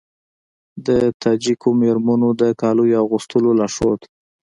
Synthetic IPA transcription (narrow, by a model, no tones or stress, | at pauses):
d̪ət̪ɑd͡ʒikomeɾmanod̪əkɑlujoaɣust̪əlolaʂot̪